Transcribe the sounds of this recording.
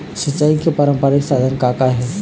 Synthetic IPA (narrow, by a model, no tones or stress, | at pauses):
sət͡ʃːaikʰepɐɾə̃mpəɾaɪksaːd̪ʱənkakaɦɛ